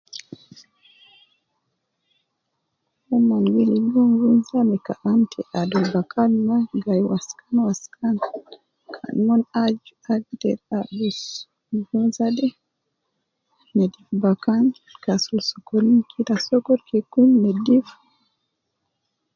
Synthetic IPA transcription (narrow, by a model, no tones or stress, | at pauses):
ɔmaŋɡɛlijɔŋɡunzamɛkaʔamtʰɛʔadɔlbakʰanmaɡajwaskanwaskʰan | kʰa̰nmɔnad͡ʒ | aɡtɛɾadus | ɡunzadɛ | mɛdifbakan | kasulsɔkɔlinkʰitasɔkɔɾkekumnɛdif